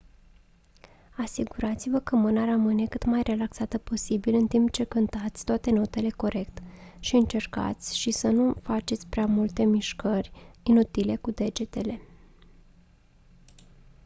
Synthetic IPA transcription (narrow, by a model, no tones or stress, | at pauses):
asiɡuɾat̪sivəkəmɨnaɾəmɨne̞kɨt̪majre̞laksat̪əpo̞sibilɨnt̪impt͡ʃe̞kɨnt̪at̪sʲt̪oat̪e̞no̞t̪e̞le̞ko̞ɾe̞kt̪ʃiɨnt͡ʃe̞rka̰t̪sʲʃisənufat͡ʃe̞t̪sʲpɾeamult̪e̞miʃkərʲinut̪ile̞kud̪e̞d͡ʒe̞t̪e̞le̞